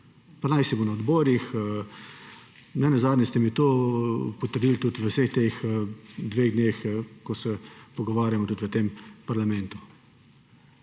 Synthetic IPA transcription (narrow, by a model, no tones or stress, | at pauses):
panajsɛbonaɔd̪bɔːɾix | nɛnazaːd̪nʲɛst̪ɛmit̪opɔt̪əɾd̪iːlt̪ut̪ʋəwsext̪exd̪ʋeːɣd̪nʲexkɔsɛpɔɡɔʋaːɾjamɔt̪ut̪ʋət̪empaɾlamɛ̃nt̪u̥